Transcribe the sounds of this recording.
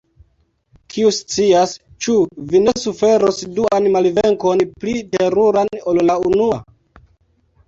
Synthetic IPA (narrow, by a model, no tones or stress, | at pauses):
kʰiust͡sias | t͡ʃuvine̞sufe̞ɾosduanmalveŋko̞nplite̞ɾuɾano̞llaunua̰